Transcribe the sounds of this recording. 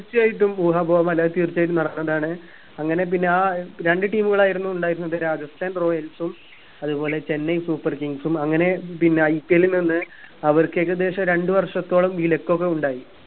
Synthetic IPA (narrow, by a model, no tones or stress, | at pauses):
irt͡ɕːijaːjiʈːumuːɦabʱoːʋɐmɐlːaːðt̪iːrt͡ɕːjaːjiʈ̬ːumnɐɽɐkːnːɐðaːɳɨ | ɐŋːɐne̞p̬inːe̞aːɾe̞ɳɖɨʈiːmuɣɐɭaːjiɾunːuuɳɖaːjiɾunːɐðɨɾaːd͡ʑɐsʈaːnro̞ːjɐlsum | ɐðupo̞ːle̞t͡ɕe̞nːɐjsuːpːɐrkiŋɡsumɐŋːɐne̞pinːe̞ɐjpːielininːɨ | ɐʋɐɾkːekːed̪e̞ːʂɐmɾe̞ɳɖɨʋɐrʂɐt̪ːo̞ːɭɐmʋiːlekːo̞k̬ːeuɳɖaːji